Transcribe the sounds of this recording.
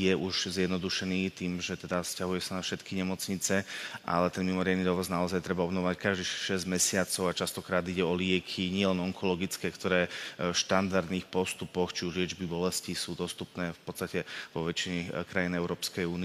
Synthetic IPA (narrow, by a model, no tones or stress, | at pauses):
jɛʔuʒzjɛd̪nɔd̪uʃɛniːt̪iːmʒɛt̪ɛd̪ascaɦujɛsanafʃɛt̪kiɲɛmɔt͡sɲit͡sɛʔa̰lɛt̪ɛnmimɔɾɪad̪nid̪ɔʋɔznaɔzajt̪ɾɛbaɔbnɔʋɔʋackaʒd̪iʃʃɛzɟmɛsɪat͡sɔʊat͡ʃast̪ɔkɾaːd̪iɟɛɔlɪɛkʰiɲɪɛlɛnɔŋkʰɔlɔɡit͡skɛːkt̪ɔɾɛːʃt̪and̪aɾd̪niːxpɔst̪upɔxt͡ʃiuʒlɪɛd͡ʒbibɔlɛscisuːd̪ɔst̪upnɛːfpɔtt͡st̪acɛʋɔʋɛt͡ʃiɲɛkɾajinɛʊɾɔːpskɛjuːnɪ